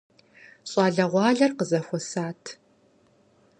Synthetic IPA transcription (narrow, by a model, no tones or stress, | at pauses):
ɕʼɑːɮɐʁʷɑːɮɐrqəzɐxʷɔsaːtʰ